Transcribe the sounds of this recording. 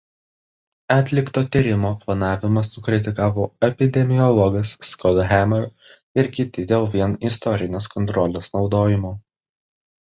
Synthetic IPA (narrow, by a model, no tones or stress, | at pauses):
ɑːt̪ʲlʲɪkt̪oːt̪ʲiɾʲɪmoːplˠɐnɑːʋʲɪmɐsːʊkɾʲɪt̪ʲɪkɑːʋoːɛpʲɪd̪ʲɛmʲɪɔlˠɔɡɐsːkɔd̪ɦʲæmɛɾ | ɪɾkʲɪt̪ʲɪd̪ʲeːlˠʋʲiɛnɪst̪ɔɾʲɪnʲeːskɔnt̪ɾɔlʲesnɒʊd̪oːjɪmoː